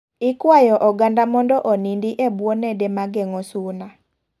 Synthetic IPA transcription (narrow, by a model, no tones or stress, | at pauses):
ɪkwajɔʔɔɡandamɔndɔʔonindiʔebwɔnɛdemaɡɛŋɔsuna